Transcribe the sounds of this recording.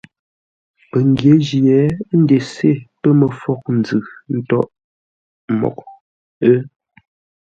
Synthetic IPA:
pə˨ŋ˨ɡje˨˦d͡ʒi˨ɛ˨˦n̩˦de˨se˦˨pə˦mə˨fɔ˦˨k̚n̩˨d͡zɨ˨n̩˦tɔ˦ʔ | mɔ̰˨k̚ | ə˦

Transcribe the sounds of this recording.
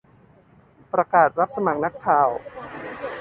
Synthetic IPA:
pɾa˧kaː˨˩t̪̚ɾa˦˥p̚sa˧ma˨˩k̚na˦˥kʰːaː˨˩w

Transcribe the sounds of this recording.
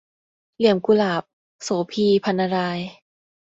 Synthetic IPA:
li˨˩əmku˧laː˨˩p̚ | soː˨˦pʰiː˧pʰa˧nːa˧ɾaː˧j

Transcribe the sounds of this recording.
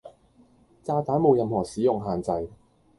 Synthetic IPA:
t͡saː˧t̪aː˨˥nmo˨˧wjɐ˨˧mɦɔː˨˩siː˨˥jʊ˨ŋɦaː˨nt͡sɐ˨˧j

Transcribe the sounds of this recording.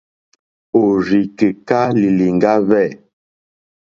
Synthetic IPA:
o˨ɾi˨kə˨ka˦li˨li˨ŋ˨ɡa˦vɛ˦˨

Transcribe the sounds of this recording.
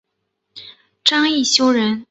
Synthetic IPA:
ʈ͡ʂɑ˥ŋi˥˩ɕjo˥ʊɻə˧˥n

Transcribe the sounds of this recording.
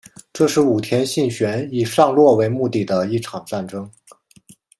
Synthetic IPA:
ʈ͡ʂɤ˥˧ʂɻ̩˥˩u˨˩t̪ʰjɛ˥nɕi˥˩ŋɕɥɛ˧˥ni˨˩ʂɑ˥˧ŋlwɔ˥˩we˧˥ɪmu˥˧t̪i˥˩d̪ə˦i˥˩ʈ͡ʂʰɑ˨˩ŋt͡sa˥˩nʈ͡ʂɤ˥ŋ

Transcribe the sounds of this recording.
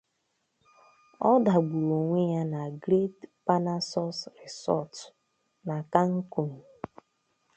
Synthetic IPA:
ɔ˦da˨ɡ͡bu˨ɾo˨ŋʷe˦ja˦na˨ɡɾe˦tpa˦na˦sɔ˦sɾɛ˨sɔ̰˦˨t | na˨ka˦ŋ̩˦ko˨ni˨

